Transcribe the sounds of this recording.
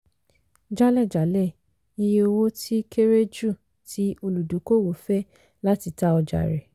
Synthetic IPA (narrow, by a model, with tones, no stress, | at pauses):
d͡ʒa˦lɛ˦˨d͡ʒa˨˦lɛ˦˨ | i˧je˧o˧wo˦tʰi˦ke˦ɾe˦d͡ʒu˦˨ | tʰi˦o˧lu˨du˨˦ko˦˨wo˨fɛ˦ | la˦ti˧ta˦ɔ˧d͡ʒa̰˨ɾɛ˨